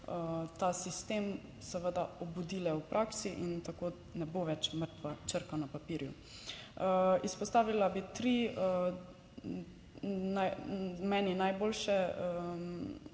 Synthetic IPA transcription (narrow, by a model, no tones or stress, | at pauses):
ət̪asist̪eːm | sɛʋəd̪aɔbud̪iːlɛupɾʔaːksiʔint̪akoː | nɛboʋɛt͡ʃməɾt̪ʋat͡ʃəɾkanapapiːɾjṵ | əispɔst̪aːʋilabit̪ɾi | najmɛːninajboːlʃɛə